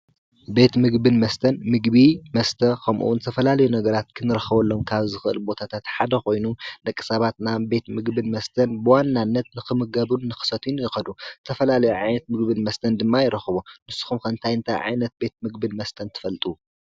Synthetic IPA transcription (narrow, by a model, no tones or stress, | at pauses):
be̞t̪mɨɡbɨnmɐst̪ʰɐnmɨɡbimɐst̪ʰɐkʰɐmʔṵnɨt̪ʰɐfɐlalɐjunɐɡɐɾat̪kʰɨnɨɾɐxɐβɐlːo̞mkʰaβzɨxɨʔɨ̰lbo̞t̪ʰat̪ʰat̪ħad̪ɐxo̞jnunɐkʼːɨ̥sɐβat̪nabe̞t̪mɨɡbɨnmɐst̪ʰɐnbɨwanːanːɐt̪̚nɨxɨmɨɡɐβuːɨxɨ̥sɐt̪ʰunjɪxɐd̪ut̪ʰɐfɐlalɐjuʕajnɐt̪̚mɨɡβɨnmɐst̪ʰɐnd̪ɨmːajɪɾɐxɨβunɨsːu̥xumkʰɐnt̪ʰajɨnt̪ʰajʕa̰jnɐt̪̚be̞t̪̚mɨɡbɨnmɐst̪ʰɐnt̪ʰɨ̥fɐlt̪ʼu